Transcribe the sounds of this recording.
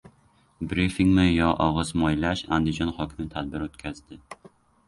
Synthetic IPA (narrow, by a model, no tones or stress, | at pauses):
bɾifiŋmɪjɒʔɒʁɨzmɒjlaʃa̰nd̪ɪd͡ʒɒnhɒkʲʰɪmɪt̪ʰad̪̚bɪɾot̪̚kʲʰazd̪ɪ